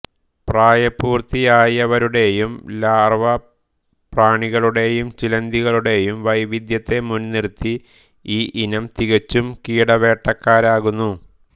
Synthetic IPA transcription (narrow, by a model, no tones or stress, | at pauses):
praːjɐpːuːrt̪ijaːjɐʋɐɾuɽe̞jumlaːrʋɐ | praːɳiɣɐɭuɽe̞jumt͡ɕilɐnd̪iɣɐɭuɽe̞jumʋɐjʋid̪jɐt̪ːe̞munːirt̪ːi | iːʔinɐmt̪iɣɐt͡ɕːumkiːɽɐʋe̞ːʈːɐkːaːɾaːɣunːu